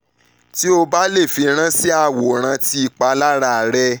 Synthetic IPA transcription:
ti˦o˧ba˦le˦˨fi˧ɾ̃ã˦si˦a˦˨wo˨ɾ̃ã˧ti˦i˧k͡pa˧˦la˦ɾa˦˨ɾɛ˧˦

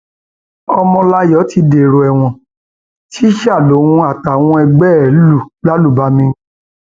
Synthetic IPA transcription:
ɔ˧mɔ̃˧la˦jɔ˨˦ti˨˧de˨ɾo˨ɛ˨w̃ɔ̃˨ | ti˦ʃa˦˨lo˨˦wũ˧a˨ta˨w̃ɔ̃˧ɛ˧ɡ͡bɛ˦˨˦lu˦˨ba˦lu˦˨ba˧˦mĩ˧

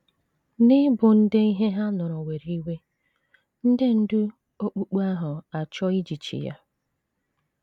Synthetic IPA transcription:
nɪ˦bʊ˨n̩˦de˦i˦ɦe˦ɦa˦nʊ˨ɾɔ˨we˨ɾi˦we˦ | n̩˦de˦n̩˦dʊ˦ | o˦k͡pu˦k͡pu˦a˦ɦʊ˨a˨t͡ʃɔ˦i˦d͡ʒi˨t͡ʃḭ˨ja̰˦

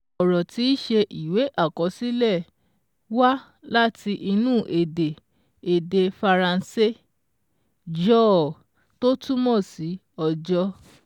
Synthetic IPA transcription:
ɔ˨ɾɔ˨ti˧˦i˦ʃe˧ʔi˨we˨˦ʔa˦˨kɔ˨˧˦si˦lɛ˦˨ | wa˦ | la˦ti˧ʔi˧nũː˦˨ʔe˨de˨ | e˨de˧fa˧ɾã˧n̩˦se˦ | d͡ʒɔ˦˨ | to˦tu˦mɔ̃˦˨si˨˦ | ɔ˧d͡ʒɔ˦

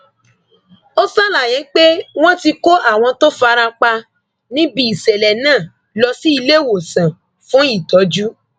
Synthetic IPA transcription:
o˦sa˦˨la˨j̃ɛ̃˨˦k͡pe˦w̃ɔ̃˦ti˧ko˦ʔa˦˨w̃ɔ̃˧to˦fa˧ɾa˧k͡pa˧ | nĩ˦bi˧˦i˨sɛ˨lɛ˨nãː˦˨ | lɔ˧si˦i˧le˦˨wo˨sã˨ | fũ˦i˦˨tɔ˨˦d͡ʒu˦

